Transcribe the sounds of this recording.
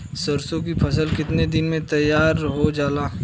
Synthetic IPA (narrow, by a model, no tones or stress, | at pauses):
səɾsõk̬ipʰɐsəlkɪt̪ned̪ɪnmẽt̪ɐjːaːɾɦod͡ʒaːlaː